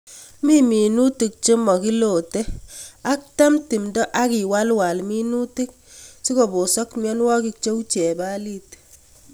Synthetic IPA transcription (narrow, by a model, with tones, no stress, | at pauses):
mi˦mi˨nu˦ti˨k̚t͡ʃe˦mɔ˨ki˦lo˨te˦a˦k̚ta˦mti˨mdɔ˦ʔa˦ki˨wa˦lwa˨lmi˦nu˦ti˦k̚si˦ko˨bo˨sɔ˦kmjɔ˦nwɔ˦ki˦k̚t͡ʃe˦u˦t͡ʃɛ˨ba˦li˦t